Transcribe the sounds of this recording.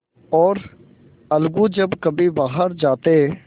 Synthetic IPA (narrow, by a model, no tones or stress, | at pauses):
ɔːɾ | əlɡũːd͡ʒəbkəbĩːbaːɦəɾd͡ʒaːt̪eː